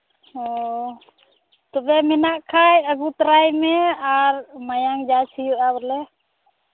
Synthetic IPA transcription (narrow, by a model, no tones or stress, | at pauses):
ɔ | t̪ɔbɛmɛnaʔkʰajaɡut̪ɾajmɛaɾmajaŋd͡ʒat͡ʃʰijuʔabɾlɛ